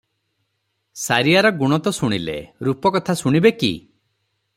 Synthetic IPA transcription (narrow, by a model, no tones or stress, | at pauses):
saɾiaɾɔɡuɽ̃ɔt̪ɔsuɽ̃ilḛɾupɔkɔt̪ʰasuɽ̃ibekḭ